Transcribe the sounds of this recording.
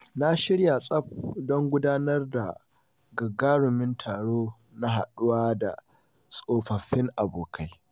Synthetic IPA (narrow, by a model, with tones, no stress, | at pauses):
na˦ʃɪ˦ɽja˨sʼɐ˦b̚dɔ˦ŋɡʷʊ˦daː˦nɐ˦rda˨ | ɡɐ˨ɡaː˦ɽʊ˨mɪ˦ntʰaː˨ɽoː˦ | na˦ɦa˨ɗʊ˦waː˦da̰˨ | sʼoː˦˨ɸɐ˨ɸɪ˦ŋʔa˨boː˨kʰa˦j